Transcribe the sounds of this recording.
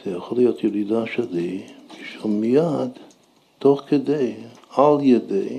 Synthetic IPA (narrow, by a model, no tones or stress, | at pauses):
z̥ɛjaχolijot̪jɛɾid̪aʃelibiʃomijad̪ | toχked̪ej | aljed̪ḛj